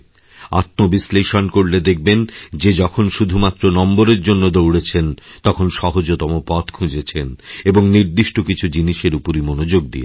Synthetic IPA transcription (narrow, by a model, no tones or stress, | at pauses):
a̰t̪mobisleʃonkoɾled̪ek̚ʰbend͡ʑed͡ʑɔkʰonʃud̪ʱumat̪ːɾonɔmboɾeɾd͡ʑonːod̪owɽet͡ɕʰent̪ɔkʰonʃɔɦod͡ʑot̪ɔmopɔt̪kʰũd͡ʑet͡ɕʰeneboŋniɾd̪iʃʈokit͡ɕʰud͡ʑiniʃeɾupoɾimonod͡ʑoɡ̚d̪ḭḛ